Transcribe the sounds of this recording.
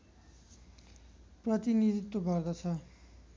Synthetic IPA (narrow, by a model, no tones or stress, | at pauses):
prʌt̪inid̪it̪ːobʌrd̪ʌt͡sʰʌ